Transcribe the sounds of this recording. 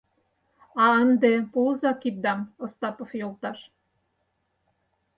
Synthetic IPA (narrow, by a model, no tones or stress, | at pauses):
ɑənd̪epolzɑkit̪̚d̪ɑmŏst̪ɑpŏfjolt̪ɑʃ